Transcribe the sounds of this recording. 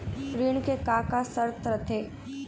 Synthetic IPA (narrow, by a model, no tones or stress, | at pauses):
pɾiːɳ̃kekaːkasəɾt̪ɾət̪ʰeː